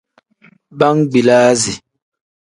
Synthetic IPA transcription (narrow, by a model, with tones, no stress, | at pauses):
ba˦ŋɡ͡bi˨laː˦zi˨